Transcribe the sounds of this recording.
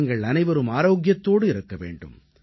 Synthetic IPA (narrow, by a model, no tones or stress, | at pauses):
ŋɡɐɭɐnɐɪʋɐɾɯmaːɾoːɡjɐt̪ːoːɽɯɪɾɯkːɐʋḛːɳɖɯ̰m